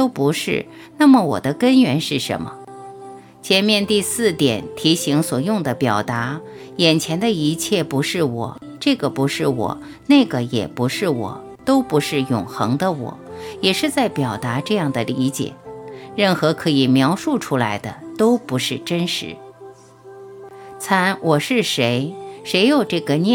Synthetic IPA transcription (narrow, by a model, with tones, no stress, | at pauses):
t̪o˥ʊpu˧˥ʂɻ̩˥˩ | na˥˩mə˩wɔ̰˨˩d̪ə˦kə˥nɥɛ˧˥nʂɻ̩˥˩ʂə̰˧˥nmə̰˧ | t͡ɕʰjɛ˧˥nmjɛ˥˧nt̪i˥˧sɹ̩˥˩t̪jɛ˨˩˦nt̪ʰi˧˥ɕi˧˥ŋswɔ˨˩jʊ˥˩ŋd̪ə˩pjɑ˨˩ʊt̪a˧˥ | jɛ˨˩nt͡ɕʰjɛ˧˥nd̪ə˧i˧˥t͡ɕʰjɛ˥˩pu˧˥ʂɻ̩˥˩wɔ̰˨˩˦ | ʈ͡ʂɤ˥˩ɡə˩pu˧˥ʂɻ̩˥˩wɔ̰˨˩˦ | ne˥˩ɪɡə˩jɛ̰˨˩pu˧˥ʂɻ̩˥˩wɔ̰˨˩˦ | t̪o˥ʊpu˧˥ʂɻ̩˥˩jʊ̰˨˩ŋxɤ˧˥ŋd̪ə˧wɔ̰˨˩˦jɛ˨˩ʂɻ̩˥˧t͡sa˥˩ɪpjɑ˨˩ʊt̪a˧˥ʈ͡ʂɤ˥˧jɑ˥˩ŋd̪ə˩li˧˥t͡ɕjɛ̰˨˩˦ɻə˥˩nxɤ˧˥kʰɤ˧˥i˨˩mjɑ˧˥ʊʂu˥˩ʈ͡ʂʰu˥la˧˥ɪd̪ə˧t̪o˥ʊpu˧˥ʂɻ̩˥˩ʈ͡ʂə˥nʂɻ̩˧˥ | t͡sʰa˧˥nwʔɔ˨˩ʂɻ̩˥˩ʂe˧˥ɪʂe˧˥ɪjo˨˩ʊʈ͡ʂɤ˥˩ɡə˩nɛ˥˧